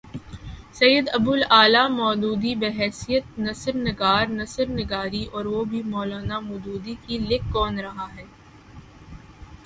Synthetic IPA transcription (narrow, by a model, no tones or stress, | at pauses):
sɐjəd̪ɐbʊlaːlamɔːd̪uːd̪ibeɦɛːsijət̪̚nɐsəɾnɪɡaːɾnɐsəɾnɪɡaːɾiʔɔːɾʋobʱimɔːlaːnamʊd̪uːd̪ikilɪkːɔːnɾɐɦaɦɛː